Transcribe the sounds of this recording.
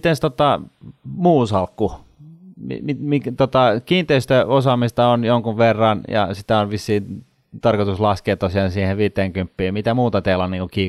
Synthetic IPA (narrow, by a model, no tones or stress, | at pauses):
t̪enst̪ot̪ɑ | muːsɑlkːu | mḭmimikt̪ot̪ɑkiːnt̪eist̪øosɑmist̪ɑonjoŋkuʋʋerːɑnjɑ̰sit̪æonʋisːiːn | t̪ɑrkot̪uslɑskeːt̪ːosiɑsiːheʋiːt̪ːˑeːŋkympːiːmit̪æmuːt̪ɑt̪elɑniːŋkukiː